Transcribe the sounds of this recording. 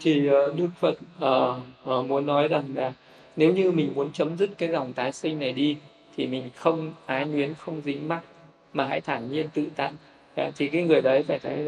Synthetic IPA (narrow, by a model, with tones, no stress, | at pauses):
t̪ʰi˨˩ʔəː˨˩ɗɨ˦˥ək̚fə̰˧˨nʔəː˨˩ʔəː˨˩mu˨˦ənːɔ˨˦jza˨˩ŋlaː˨˩ | ne˨˦wɲɨ˧mï˨˩ŋ̟mu˨˦ənt͡ɕə˨˦mzɨ˦˥t̚kaː˨˦jzɔ˨˩wŋ͡mt̪aː˨˦jsï˧ŋ̟na˨˩jɗi˧ | t̪ʰi˨˩mï˨˩ŋ̟xə˧wŋ͡mʔaː˨˦ŋwi˨˦ənxə˧wŋ͡mzï˨˦ŋ̟ma˦˥t̚ | maː˨˩ɦa̰˧˥jt̪ʰaː˧˩ɲi˧ənt̪ɨ̰˧˨t̪a̰ː˧˨n | a̰ː˨˩t̪ʰi˨˩kaː˨˦jŋɨ˨˩əjɗə˨˦jfaː˧˩jt̪ʰə˨˦j